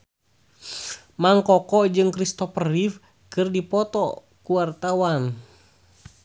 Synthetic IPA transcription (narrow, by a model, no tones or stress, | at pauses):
maŋkɔkɔd͡ʒɨŋkɾist̪ɔfrif | kɨrdipɔt̪ɔ | kuwart̪awan